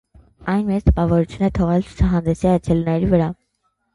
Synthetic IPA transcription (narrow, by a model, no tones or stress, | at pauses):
ɑjnmɛt͡st̪əpɑvɔɾut͡sʰjunɛt̪ʰɔʁɛlt͡sʰu̥t͡sʰɑɦɑnd̪ɛsiɑt͡ʃʰɛlnɛɾivəɾɑ